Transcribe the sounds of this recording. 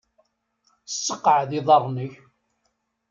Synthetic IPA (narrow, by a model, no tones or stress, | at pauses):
sːəqːʕðiðˤɑrˤːnəç